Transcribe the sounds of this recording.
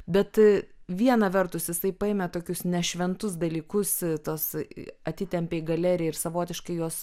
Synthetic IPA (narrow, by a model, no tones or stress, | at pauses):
bʲɛt̪ʋʲiɛnɐʋʲɛrt̪ʊsjɪsɐɪpɐeːmʲɛt̪oːkʲʊsnʲɛʃʲʋʲɛnt̪ʊs̬d̪ɐlʲiːkʊst̪oːsɐt̪ʲɪt̪ʲɛmʲpʲeːjɡɐlʲɛɾʲɪjɛɪrsɐʋoːt̪ʲɪʃkɐɪjuɔs